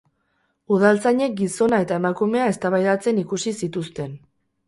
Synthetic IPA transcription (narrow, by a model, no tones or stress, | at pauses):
uð̞alt͡saɲe̞k̚ɡiso̞nae̞t̪ae̞makume̞ae̞st̪aβajðat͡se̞nikusisit̪ust̪e̞n